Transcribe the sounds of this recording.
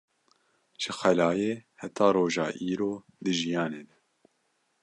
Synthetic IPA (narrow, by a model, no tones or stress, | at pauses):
ʒ̥ɨxælɑːjeːhɛt̪ʰɑːɾoːʒɑ̰ːʔiːɾoː | d̪ɨʒijɑːneːd̪ɛ̥